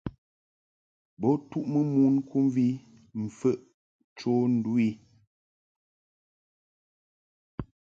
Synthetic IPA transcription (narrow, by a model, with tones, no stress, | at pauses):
bɔ˨˦tu˦ʔmə˦mu˦nkʰu˦mvi˦ | m̩˨fə˦˨ʔ | t͡ʃo˦n̩˦du˦i˦